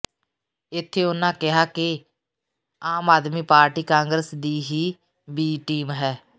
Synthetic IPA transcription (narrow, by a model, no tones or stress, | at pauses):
ɪt̪ʰːeːʊnãːkɪɦaːkɪ | aːmaːd̪miːpaːɾʈiːkãːŋɡɾəsd̪iːɦiː | biːʈiːmɦɛː